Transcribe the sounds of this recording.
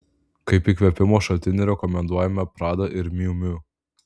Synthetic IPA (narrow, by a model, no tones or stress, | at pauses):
kɐɪpikʋʲɛpʲɪmoːʃɐt̪ʲɪnʲɪɾʲɛkɔmʲɛnd̪uɔjɛmɐpɾɑːd̪ɐʔɪɾmʲiʊmʲʊ